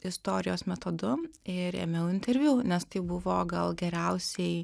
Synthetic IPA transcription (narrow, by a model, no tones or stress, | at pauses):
ɪst̪oːɾʲɪjoːsmʲɛt̪oːd̪ʊɪɾḛːmʲɛjʊɪnʲt̪ʲɛɾʲʋʲjuːnʲɛst̪ɐɪbʊʋoːɡɐlˠɡʲɛɾʲɛʊsʲɛɪ